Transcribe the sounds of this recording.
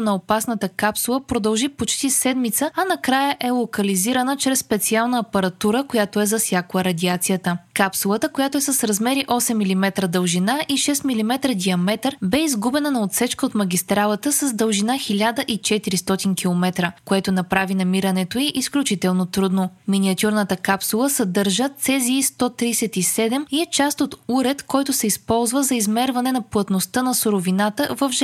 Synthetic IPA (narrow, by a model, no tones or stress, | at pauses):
nɐopasnət̪əkapsulˠəpɾod̪ɐlˠʒipot͡ʃt̪isɛd̪mit̪səɐnɐkɾajəʔɛlˠokəliziɾənət͡ʃɾɛsːpɛt̪sialˠnəːpɐɾɐt̪uɾəkojat̪oɛzɐsʲjaklˠəɾɐd̪ʲiat̪sijət̪əkapsulˠət̪əkojat̪oɛsəsɾɐzmɛɾiʔɔsɛmːilimɛt̪ɾəd̪əlˠʒinaʔiʃɛst̪milimɛt̪ɾəd̪ʲiɐmɛt̪əɾbɛizɡubɛnənɐot̪sɛt͡ʃkəot̪mɐɡʲist̪ɾalˠət̪əsəzd̪əlˠʒinaxilʲad̪əʔit͡ʃɛt̪iɾist̪ɔt̪inkilˠomɛt̪ɾəkoɛt̪onɐpɾavinɐmiɾənɛt̪oiʔisklʲut͡ʃit̪ɛlˠnot̪ɾud̪nominiɐt̪ʲuɾnət̪əkapsulˠəsɐd̪ɤɾʒət̪sɛziːst̪ɔt̪ɾisɛt̪isɛd̪ɛmiɛt͡ʃast̪ot̪uɾɛt̪kɔjt̪ʊsɛispɔlˠzvəzɐizmɛɾvɐnɛnɐplˠɐt̪nost̪ənɐsʊɾovinat̪əvɐfʒ